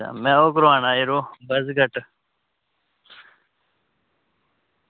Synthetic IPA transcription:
a̰mẽoːkɾoãːnaːiɾobɐzɡɐʈ

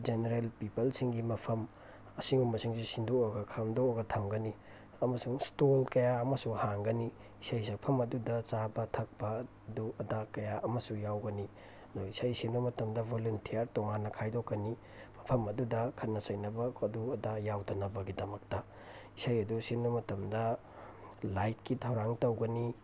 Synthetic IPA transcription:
d͡ʒeneɾelpipɐlsiŋɡimɐpʰɐm | ɐsiŋumɐsiŋsisindooɡɐkʰamdoɡɐtʰɐmɡɐni | ɐmɐsuŋstolkɐjaɐmɐsuhaŋɡɐni | isajsɐpʰɐmɐdudɐt͡ʃabɐtʰɐk̚pɐ | duɐdakɐjaʔɐmɐsujawɡɐni | noisajsinumɐtɐmdɐbʱoluntʰijɐɾtoŋanːɐkʰajdokːɐni | mɐpʰɐmɐdudɐkʰɐnːɐsɐjnɐbɐːduɐdajawdɐnɐbɐɡidɐmɐk̚tɐ | isajɐdusinːumɐtɐmdɐ | lajt̚kitʰɐwɾaŋtɐwɡɐni

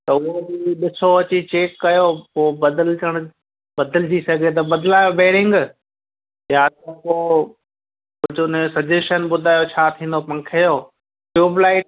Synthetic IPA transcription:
t̪ɐʊɦobiɗɪsoɐt͡ɕit͡ɕeːkːɐjopoːbɐd̪əlt͡ɕəɽ̃ | bɐd̪əld͡ʑisɐɡʱet̪̬ɐbɐd̪laːjobeːɽɪ̃ŋɡ | jaːt̪ɐ̃poː | kʊd͡ʑʊnɪsɐd͡ʑeʃənɓʊd̪ʱaːjot͡ɕʰaːt̪ʰĩːnd̪opɐ̃ŋkʰəjoː | ʈuːblaːɪʈ

